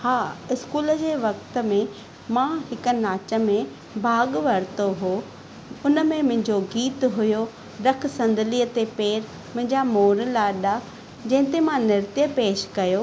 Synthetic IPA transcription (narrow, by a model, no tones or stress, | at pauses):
haːɪskuːləd͡ʑeːʋɐkt̪ə̆mẽ | mãɦɪkə̆naːt͡ɕə̆mẽ | bʱaːɡʋɐɾt̪oɦoː | ʊnəmẽmʊ̃ɦɪ̃ɲd͡ʑoɡiːt̪ɦʊjo | ɗɐk̆ʰsɐ̃nd̪ʱəliːət̪epeːɾ | mʊ̃ɦɪ̃ɲd͡ʑamoːɾlaːɗa | d͡ʑɐ̃ɦɪ̃t̪emãnɪɾt̪jəpeːʃkɐjo